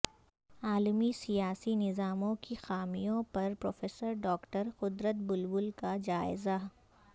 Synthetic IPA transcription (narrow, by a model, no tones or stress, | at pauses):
aːlmisijaːsinɪzaːmõkixaːmijõpɐɾpɾoːfeːsəɾɖɔːkʈəɾxʊd̪ɾət̪̚bʊlbʊlkad͡ʒaːɪza